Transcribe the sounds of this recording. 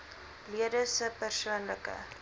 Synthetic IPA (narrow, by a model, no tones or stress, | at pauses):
liədəsəpərsuənləkə̰